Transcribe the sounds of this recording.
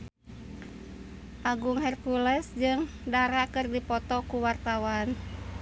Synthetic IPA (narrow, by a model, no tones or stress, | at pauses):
ʔaɡuŋɦɛrkulɛsd͡ʒɨŋ | daɾakɨrdipɔt̪ɔkuwart̪awan